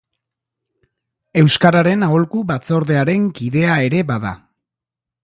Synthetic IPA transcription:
e̞wskaɾaɾe̞naolkuβat͡so̞ɾðe̞aɾe̞ŋkiðe̞ae̞ɾe̞baða̰

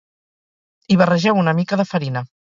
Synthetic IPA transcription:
iβ̞ərəʒɛwunəmikəðəfəɾinə

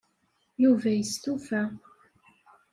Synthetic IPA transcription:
juvæjəst̪ufæ

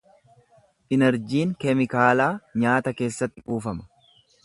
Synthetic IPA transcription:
ʔɪnɛɾd͡ʒiːŋkɛmɪkaːlaːɲaːt̪ɐke̞ːsːɐt̪ːɪʔuːfɐmɐ̥

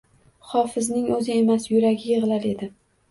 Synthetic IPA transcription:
χɒfɪznɪŋɵzɪe̞masjʊɾaɡʲɪjɨʁɨlaɾe̞d̪ɪ

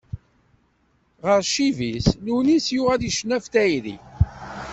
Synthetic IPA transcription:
ʁəɾʃivislunisjuʁæðjəʃnæfθæjɾḭ

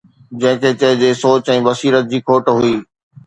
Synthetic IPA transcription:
d͡ʑɐ̃ɦɪ̃kʰeːt͡ɕɐɦɪd͡ʑeːsoːt͡ɕɛ̃ːʋɐsiːɾət̪̚d͡ʑiːkʰoːʈɦʊiː

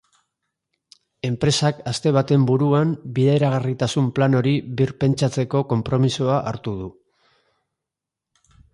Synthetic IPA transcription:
e̞mpɾe̞sakast̪e̞β̞at̪e̞mbuɾuambiðeeɾaɣ̞arit̪asumplano̞ɾiβiɾpe̞nt͡ʃat͡se̞ko̞ko̞mpɾo̞misuaʔaɾt̪uð̞u

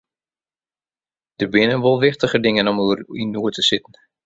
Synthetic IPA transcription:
d̥ərbɪnənʋolˠʋɪχtəɣədɪŋənɔmuərinuətəsɪtn̩

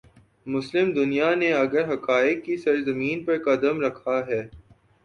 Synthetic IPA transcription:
mʊslɪmd̪ʊnijaneɐɡəɾɦɐkaːɪkːisɐɾzɐmiːnpɐɾqɐd̪əmɾɐkʰaɦɛː

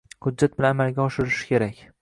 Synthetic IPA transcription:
hʊd̪d͡ʒat̪̚bɪlanamalɡʲaɒʃɪɾɪʃɪ̥kʲʰe̞ɾakʲ

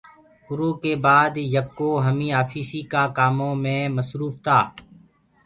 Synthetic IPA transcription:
kʊɾoːkebaːd̪jəb̚koɦəmĩːaːpʰiːsikaːkaːmõmẽməsɾuːft̪ʰaː

